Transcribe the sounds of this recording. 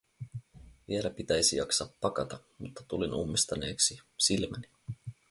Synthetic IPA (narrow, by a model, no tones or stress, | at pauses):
ʋielæpit̪æjsijɑksɑːpːɑkɑt̪ɑmut̪ːɑ̥t̪ulinumːist̪ɑne̞ːksisilmæni̥